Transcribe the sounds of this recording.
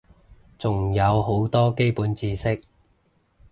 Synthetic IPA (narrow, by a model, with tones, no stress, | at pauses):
t͡sʊ˨ŋjɐ˨˧wɦo˨˥wt̪ɔː˥ke˥jpuː˨˥nt͡siː˧sɪ˥k̚